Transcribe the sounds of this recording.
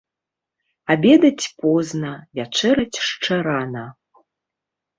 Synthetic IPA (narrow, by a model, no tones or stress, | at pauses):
abʲɛd̪ɐt͡sʲpɔznɐvʲat͡ʂɛɾɐt͡sʲʂt͡ʂɛɾanɐ